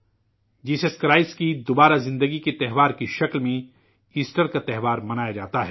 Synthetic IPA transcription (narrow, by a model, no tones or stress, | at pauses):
d͡ʒiːseskɾaːɪskid̪oːbaːɾazɪ̃nd̪əɡiket̪ɛɦʋaːɾkiʃɐklmẽ | iːsʈəɾkat̪ɛɦʋaːɾmɐnaːjad͡ʒaːt̪aɦɛː